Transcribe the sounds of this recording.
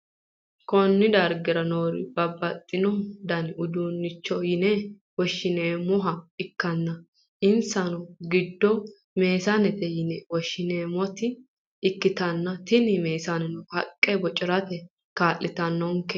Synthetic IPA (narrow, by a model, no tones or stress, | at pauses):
kɔnːɪd̪ɐɾɡɪɾɐnoːɾɪ̰bɐbːɐt̪ʼːɪnɔd̪ɐnʊd̪uːnːɪt͡ʃːɔjɪnɛ | wɔʃːɪneːmʊɦɐɪkːɐnːɐ | ʔɪnsɐnɔɡɪd̪ːɔ | me̞ːsɐnɛt̪ɛjɪnɛwɔʃːɪneːmɔt̪ɪ | ɪkːɪt̪ɐnːɐt̪ɪnɪme̞ːsɐnɛnɔhɐkʼːɛbɔt͡ʃʼɪɾɐt̪ɛ | kaːʔːɪt̪ɐnːɔŋkɛ